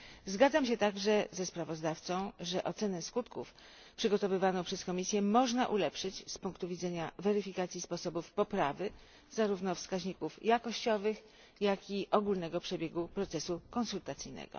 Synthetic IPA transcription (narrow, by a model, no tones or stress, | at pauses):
zɡad̪zamɕ̬ɛt̪aɡʐɛzɛspɾavɔzd̪aft̪sɔ̃w̃ʐɛʔɔt̪sɛnɛskut̪kuf | pʂɘɡɔt̪ɔvɘvanɔ̃w̃pʂɛskɔmʲisʲjɛmɔʐnaʔulɛpʂɘt͡ɕspuŋkt̪uvʲid̪zɛɲavɛɾɘfʲikat̪sʲjispɔsɔbufpɔpɾavɘ | zaɾuvnɔfskaʑɲikufjakɔɕt͡ɕɔvɘx | jakʲiʔɔɡulnɛɡɔpʂɛbʲjɛɡupɾɔt̪sɛsukɔ̃nsult̪at̪sɘjnɛ̰ɡ̥ɔ̰